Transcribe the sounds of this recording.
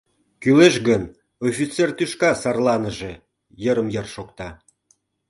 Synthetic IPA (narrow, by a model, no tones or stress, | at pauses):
kyleʃɡən | ofʲit͡sert̪yʃkɑsɑrlɑnəʒĕ | jəɾəmjərʃokt̪ɑ